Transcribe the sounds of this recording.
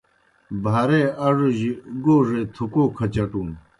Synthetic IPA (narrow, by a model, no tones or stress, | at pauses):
bʱaɾeaʐəʑəɡoret̪ʰokokʰat͡ɕaʈ͡ʂoŋ